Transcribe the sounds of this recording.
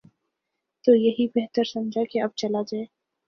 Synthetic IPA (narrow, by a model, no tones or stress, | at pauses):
t̪oːjɐɦibeɦt̪əɾsɐmd͡ʒʱakeɐb̚t͡ʃɐlad͡ʒaːeː